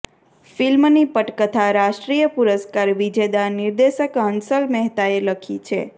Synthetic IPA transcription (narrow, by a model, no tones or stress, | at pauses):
filmnipəʈkət̪ʰaɾaʃʈɾijəpuɾəskaɾʋid͡ʒed̪aniɾd̪eʃəkɦənsəlmɛɦt̪aeləkʰit͡ʃʰe